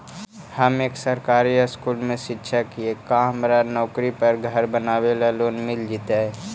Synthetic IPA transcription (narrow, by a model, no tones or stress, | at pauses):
hɐmeːksəɾkaːɾiaskuːlmẽʃɪtːʃʰakiekːamɾanɔːkɾipɐɾɡʱɐɾbənaːwelaloːnmɪld͡ʒit̪aɦɛ